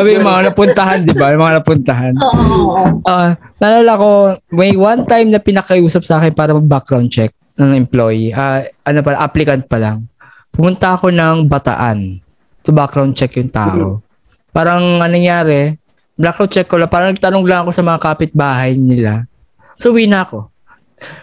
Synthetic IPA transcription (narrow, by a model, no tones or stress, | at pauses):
sabɪjʊmɐŋanɐpʊnt̪ɐɦand̪ɪbajmɐŋanɐpʊnt̪ɐɦan | ʔonɐlaːlako̞mɐjwant̪ajmnɐpɪnɐkɐʔʔuːsɐp̚sɐʔaːkɛnpaːɾɐmɐɡ̚bak̚ɡɾawnd̪̚t͡ʃɛk̚ | nɐŋʔɛmplojʔaʔɐnop̬ɐlaŋʔaplɪkɐnt̪̚pɐlaŋ | pʊmʊnt̪ɐɐko̞nɐŋbɐt̪ɐ̰ʔa̰n | t̪ʊbakɾawnd̪̚t͡ʃɛkjʊŋt̪a̰ːʔo̞̰ | paːɾɐŋɐnɐŋjaːɾɛ | blak̚ɾawn̚t͡ʃɛkːolaŋpaːɾɐŋnɐɡ̚t̪ɐnoŋɡlɐŋɐko̞sɐmɐŋakaːpɪt̪̚baːɦɐjnɪla | sʊwiːnɐɐko̞